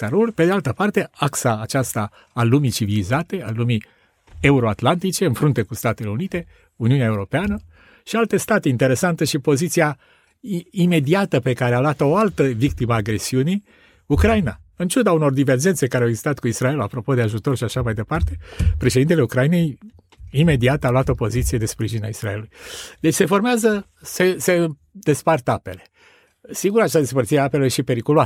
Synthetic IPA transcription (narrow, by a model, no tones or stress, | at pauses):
saɾulpe̞d̪ealt̪əpart̪e̞aksaːt͡ʃast̪aː | lumit͡ʃivilizat̪e̞alumi | e̞uɾo̞at̪lant̪it͡ʃe̞ɨnfɾunt̪e̞kust̪at̪ele̞unit̪e̞ | uniuneaeuɾo̞peanə | ʃialt̪e̞st̪at̪eint̪e̞ɾe̞sant̪əʃipo̞zit̪sija | ime̞d̪iat̪əpe̞kaɾealat̪ooalt̪əvikt̪iməːɡɾe̞siuni | ukɾajina | ɨnt͡ʃud̪auno̞rd̪ive̞rd͡ʒent̪sekaɾeaweɡzist̪at̪kuisɾae̞lapɾo̞po̞d̪eaʒut̪o̞rʃiaʃamajd̪e̞part̪e̞pɾe̞ʃe̞d̪int̪eleukɾaine̞j | ime̞d̪iat̪əaloat̪o̞po̞zit̪sije̞d̪e̞spɾiʒina̰isɾaelulujd̪̥et͡ʃʲse̞fo̞rmeazə | sese | d̪e̞spart̪ape̞̰le̞ | siŋɡuɾat͡ʃaad̪es̬pərt̪siɾeape̞ljʃipe̞ɾikulua